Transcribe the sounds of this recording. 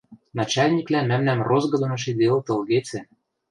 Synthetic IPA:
nɑt͡ɕɑlʲnʲiklæmæmnæmrozɣɤ̆d̪ŏnɤ̆ʃ̬id̪eelt̪ɤ̆lɣet͡sĕ

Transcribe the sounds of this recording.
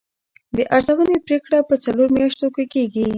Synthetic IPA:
d̪əʔaɾzawənepɾekɽapət͡saloɾmjaʃt̪okekeɡi

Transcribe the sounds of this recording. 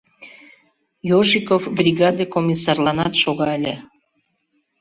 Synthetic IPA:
joʒikofbrʲiɣɑd̪ekomʲisːɑrlˠɑnɑt̪ʃoɣɑəlʲe

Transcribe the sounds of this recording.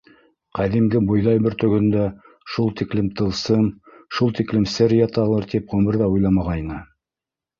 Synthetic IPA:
qæðimɡɘbŭjlˠɑjbɘɾt̪ɵ̆ɡɵ̆nd̪æ | ʃulˠt̪iklɘmt̪ʰɤ̆lˠsɤmʃulˠt̪iklɘmsɘɾjɑt̪ɑlˠɤɾt̪ipʁɵ̆mɘ̆ɾðæujlˠɑmɑʁɑjnɤ

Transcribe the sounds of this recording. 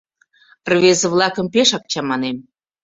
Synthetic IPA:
rβezə̆βlɑkə̆mpeʃɑk̚t͡ɕɑmɑnem

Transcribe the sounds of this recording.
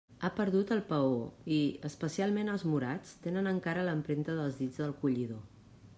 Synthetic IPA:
apəɾðut̪əlˠpəoiəspəsialˠmenəlˠzmuɾat͡st̪enənəŋkaɾələmpɾent̪əðəlˠzðid͡zðəlˠkuʎiðo

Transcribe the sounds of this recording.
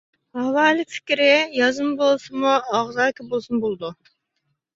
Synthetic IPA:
hɑwɑːlˠɨfʰɪ̥kʲɾɪjɑzɨmbolˠsɨmuɑʁzɑːkʰʲɛbolˠsunbolˠd̪u

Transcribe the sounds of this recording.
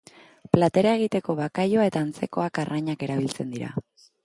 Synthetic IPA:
plat̪e̞ɾae̞ɣ̞it̪e̞ko̞βakajoae̞t̪aːnt͡se̞ko̞akarʔaɲake̞ɾaβilt͡se̞nd̪iɾa̰

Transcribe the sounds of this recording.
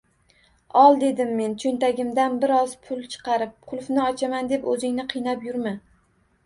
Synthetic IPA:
ɒlˠd̪e̞d̪ɪmːe̞nt͡ʃʰont̪ʰaɡʲɪmd̪anbɪɾɒzpʰʊlˠt͡ʃʰɨ̥qʰɑɾɪp̚qʰʊlˠfnɪɒt͡ʃʰamand̪e̞pɵzɪŋnɪqʰɨjnapjʊɾmɪ

